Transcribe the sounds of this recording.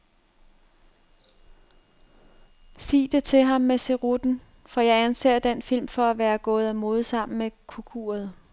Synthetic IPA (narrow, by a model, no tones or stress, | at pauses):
sḭːd̥e̝t͡sʰe̝ɦɑ̈mːese̝ʁud̥n̩ | fɒ̽jɑ̈ɪænse̝̰ːɐd̥enfil̰mfɒ̽æʋæːɐɡ̥ɔ̽ːð̞̩ˠæmo̝ːð̞̩ˠsɑ̈m̰n̩mekʰukʰṵːɐð̞ˠ